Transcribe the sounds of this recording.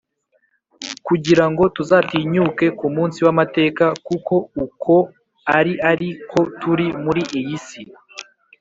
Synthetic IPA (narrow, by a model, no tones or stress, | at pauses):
kuɟiɾaŋɡo̞tuzatiːɲuːke̞kumuːnsiwamate̞ːkakuko̞ukʰo̞ | aɾiʔaɾikʰo̞tuɾimuɾiʔijisi